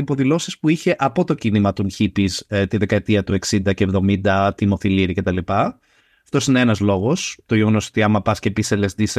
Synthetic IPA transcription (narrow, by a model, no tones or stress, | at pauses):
ipo̞ðilo̞sispuiçe̞ʔɐpot̪o̞cinimɐt̪unçipist̪iðe̞kɐet̪iɐt̪ue̞ksind̪ɐceːvðo̞mind̪ɐt̪imo̞θiliɾice̞t̪ɐlipɐ | ɐft̪o̞sineenɐzlo̞ɣo̞st̪o̞ʝeɣo̞noot̪iɐmɐpɐscepisele̞zd̪is